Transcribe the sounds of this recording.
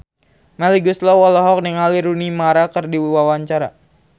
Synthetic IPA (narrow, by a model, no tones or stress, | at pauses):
maliɡuslɔwɔlɔɦɔk̚niŋaliɾunimaɾakərdiwiwawaɲt͡ʃaɾa̰